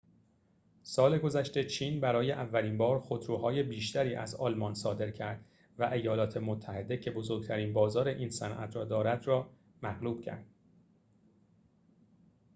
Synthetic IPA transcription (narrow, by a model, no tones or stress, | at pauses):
sɒːle̞ɡo̞zæʃt̪e̞t͡ʃʰiːnbæɾɒːjeʔævːæliːnbɒːɾxod̪ɾuːɦɒːje̞biːʃt̪æɾiːʔæ̰zɒːlmɒnsɒːd̪e̞ɾcʰæɾd̪ | væʔe̞jɒːlɒːt̪ʰe̞mot̪ʰːæhe̞d̪e̞cʰebo̞zoɾɡ̚t̪ʰæɾiːnbɒːzɒːɾeʔiːnsænʔæ̰t̪ʰɾɒːd̪ɒːɾæd̪rɒː | mæɣluːb̥cʰæ̰ɾd̪̥